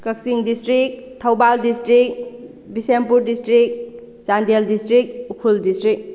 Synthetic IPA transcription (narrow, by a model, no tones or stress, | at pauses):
kɐksiŋdistɾik̚tʰɐwbaldistɾik̚ | bisempuɾdistɾik̚ | sandeldistɾik̚ukʰuldistɾik̚